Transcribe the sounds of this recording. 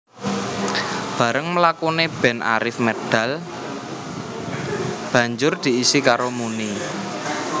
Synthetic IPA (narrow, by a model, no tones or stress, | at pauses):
b̥ä̤ɾəŋməlakuneb̥ɛ̤nʔa̰ɾɪfmed̪̥a̤l | b̥ä̤ɲd͡ʒʊrd̪̥i̤isikaɾomuni